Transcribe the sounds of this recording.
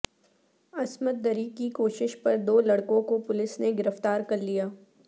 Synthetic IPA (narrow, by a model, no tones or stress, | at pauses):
ɐsməd̪̚ːɐɾikikoːʃɪʃpɐɾd̪oːlɐɽkõkopʊlɪsneɡɪɾəft̪aːɾkɐɾlijaː